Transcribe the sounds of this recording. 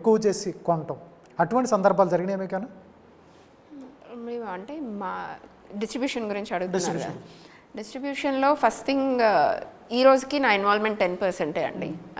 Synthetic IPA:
ekːuʋɐt͡ʃeːsikoɳʈɐm | ɐʈuʋɐɳʈisɐnd̪ɐɾbʱaːlud͡ʒɐɾiɡineːmiːkɛna | mɐiɐɳʈe̞ːmaː | ɖisʈɾibjuːʂɐnɡuɾiɲt͡ʃiɐɽuɡut̪n̰ːɾkɐ̰ | ɖisʈɾibjuːʂɐnlo̞ːpʰɐsʈt̪ʰiŋɡ | iːɾo̞ːd͡ʒukinaːinʋaːlmeɳʈ̚ʈe̞npɐɾseɳʈeːɐ̰ɳɖḭ

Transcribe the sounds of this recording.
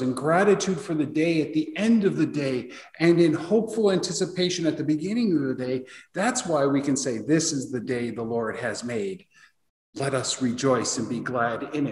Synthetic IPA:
zɨ̃nɡɹæɾɨtʰʉd̥fə˞ðɨdeɪɨt̪̚ðiɛ̃ndʌvðɨdeɪ | ʔɨ̃nɨ̃nhoʊpfl̩ˠæ̃ntʰɪsɨpʰeɪʃɨ̃nɨt̪̚ðɨbɨɡɪ̃nɪ̃ŋʌvðɨdeɪðætswaɪwikɨ̃nseɪðɪsɨzðɨdeɪðəlɔɹd̚ɨzmeɪd̥ | lɛɾʌsɹid͡ʒɔɪsɨ̃nbiɡlæɾɪ̃n

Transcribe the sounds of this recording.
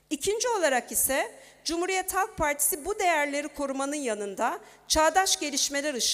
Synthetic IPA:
icʰind͡ʒio̞lˠaɾakisɛ | d͡ʒumhuɾijɛt̪halˠk̚pʰaɾt̪ʰi̥sibud̪e̞jæɾlʲe̞ɾikʰo̞ɾumanɯnjanɯnd̪a | t͡ʃʰaːd̪aʃɟe̞lʲiʃme̞lʲæɾɯʃ

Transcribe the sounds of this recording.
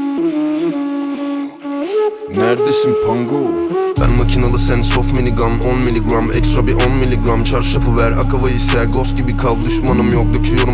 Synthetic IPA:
næɾd̪esimpʰaŋɡobæ̰nmacʲʰinalˠɯsɛnsofmilʲiɡɾamonmilʲiɡɾamɛ̰kst̪ɾabiʔonmilʲːiɡɾamt͡ʃʰaɾʃafɯvæɾa̰kʰavajisæɾɡoscibikʰalˠd̪yʃmanɯmjok̚d̪ut͡ʃ̪ʰijo̞ɾum

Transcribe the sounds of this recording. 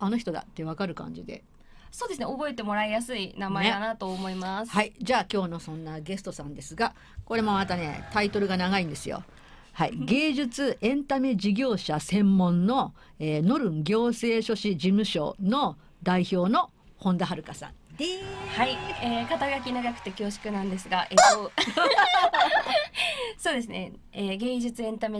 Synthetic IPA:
ano̞çi̥t̪o̞d̪a̰t̪ːe̞β̞akaɾɯ̟kã̰ɲ̟d͡ʑid̪e̞̰ | so̞ːd̪esɨneobo̞e̞t̪e̞mo̞ɾaejasɨinamaeeanat̪o̞ːmo̞imashaid͡ʑaːkʲo̞ːno̞sõ̞nːaɡe̞sɨ̥t̪osãnd̪e̞sɨɡa | ko̞ɾe̞mo̞mat̪ane̞̰t̪ait̪o̞ɾɯ̟ɡanaɡaĩnd̪e̞sɨjo̰ | haḭɡe̞ːʑɨt͡sɨʔẽ̞nt̪ame̞d͡ʑiɡʲo̞ːɕasẽ̞mːõ̞nːo̞ | eːno̞ɾɯ̟̃ŋɡʲo̞ːse̞ːɕo̞ɕid͡ʑimɯ̟ɕo̞̰no̞ | d̪aiço̞ːno̞ | hõ̞nd̪aɦaɾɯ̟kasã̰n | haieːkat̪aɡak̬ʲinaɡakɯ̟̥t̪e̞kʲo̞ːɕi̥kɯ̟nãnd̪e̞sɨɡaʔeo | so̞ːd̪e̞s̬ɨne | eɡe̞ːd͡ʑɨt͡sɨẽ̞nt̪ame

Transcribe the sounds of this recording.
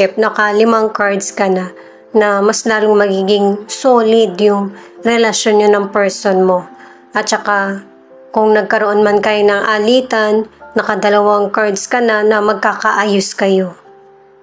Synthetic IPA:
ɛp̚nɐkalɪmaŋkaɹd̪skɐna | nɐmɐslaːloŋmɐɡiːɡɪŋsoːlɪd̪jʊŋɾɛlɐʃjonɲonɐŋpɛɹsonmo̞ | ʔɐt̪̚t͡ʃɐka | kʊŋnɐɡ̚kɐɾoʔonmankɐjonɐŋʔaliːt̪ɐnːɐkɐd̪ɐlɐwaŋkaɹd̪skɐnanɐmɐɡ̚kakɐʔaːjʊskɐjo̞

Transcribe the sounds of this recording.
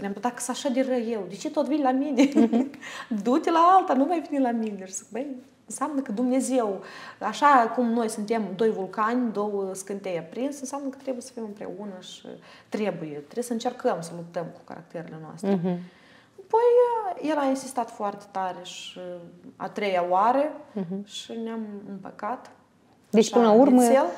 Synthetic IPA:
spunemd̪akə̥saʃad̪erəwjewd̪et͡ʃe̞t̪o̞t̪vinʲlamine | d̪ut̪ʲelaalt̪anuvajvenilamineʃizɨkbəj | ɨnsamnəkəd̪umne̞ze̞waʃakumno̞jsunt̪e̞md̪o̞jvulkanʲd̪o̞wəskɨnt̪ejapɾinsɨnsjamnəkə̥t̪ɾe̞bujesəfimɨmpɾe̞̰unəʃḭt̪ɾe̞bujet̪ɾesəɨnt͡ʃe̞rkəmsəlup̚t̪əmku̥ka̰ɾa̰k̚t̪eɾele̞noa̰st̪ɾe | apo̞jje̞lainsist̪at̪foart̪e̥t̪aɾeʃia̰t̪ɾe̞jaoaɾeʃineamɨmpə̰kat̪ | d̪eʃpɨnlaurməel

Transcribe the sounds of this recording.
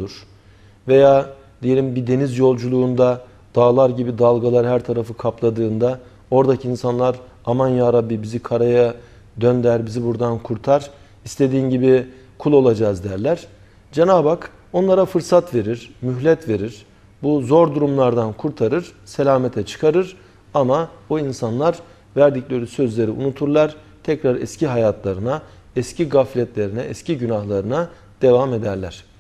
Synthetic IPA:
uɾ̥ | ve̞jaː | d̪̥ije̞lʲimbid̪e̞nizjo̞lˠd͡ʒulˠuːnd̪a | d̪̥aːlˠaɾɟibid̪alˠɡalˠaɾhæɾt̪ʰaɾafɯkʰaplˠad̪ɯːnd̪a | o̞ɾd̪acʰiːnsanlˠaɾ | amanjaːɾabːibizikʰaɾaja | d̪ønd̪æɾbizibuɾd̪ankʰuɾt̪ʰaɾ̥ | ist̪ʰe̞d̪iːnɟibi | kʰulˠo̞lˠad͡ʒaːzd̪æɾlʲæɾ̥ | d͡ʒenaːbak | o̞nlˠaɾafɯɾsat̪ve̞ɾiɾ̥myçlʲɛt̪ve̞ɾiɾ̥ | buzo̞ɾd̪uɾumlˠaɾd̪ankʰuɾt̪ʰaɾɯɾ̥se̞lʲaːmet̪ʰɛt͡ʃʰɯ̥kʰaɾɯɾ | amaoinsanlˠaɾ | væɾd̪iclʲe̞ɾisø̞zlʲe̞ɾiʔṵnut̪ʰuɾlˠaɾ̥ | t̪ʰɛcɾaɾɛ̰sciɦajat̪ʰlˠaɾɯnaɛsciɡaflʲɛt̪lʲe̞ɾinɛɛsciɟynahlˠaɾɯna | d̪̥e̞vame̞d̪æɾlʲæɾ̥

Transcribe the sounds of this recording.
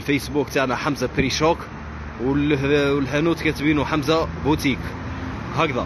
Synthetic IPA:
lfæjsbukt̪aʕnæħamzapɾiʃok | w | lɦænut̪kæt̪binuħamzæbut̪ik | hækd̪ɑ

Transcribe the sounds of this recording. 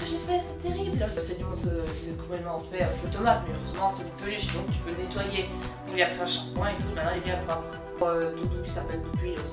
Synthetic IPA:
əʒefɛsɛt̪eʁiblsenɔ̃søsɛkɔ̃pɛmɑ̃t̪ukaøsɛt̪ɔmaʒmɛøʁøzmɑ̃sipøliʃd̪ɔ̃k̚t̪y̥pønet̪waje | uiliafɛɛ̃ʃapwɛ̃et̪umañebjɛ̃kɔ | ɔød̪ud̪ũkʲi̥sapɛld̪əpɥiø

